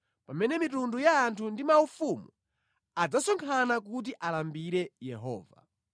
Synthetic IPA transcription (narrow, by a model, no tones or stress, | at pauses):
pamɛnɛmitundujaːntʰundimaufumu | ad͡zasɔŋkʰanak̬ut̬iʔalambiɾɛjɛɦɔ̰ːva̰